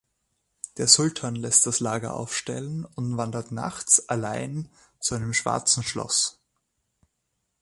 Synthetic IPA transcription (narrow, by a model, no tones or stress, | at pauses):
d̥eːɐz̥ʊltʰaːnlɛst̚d̥aslaːɡɐ̰ʔa̰ʊfʃtɛlənʊntv̥andɐtna̰xt͡sʔalaɪn | t͡suaɪnəmʃv̥a̰ɐt͡sn̩ʃlɔ̰s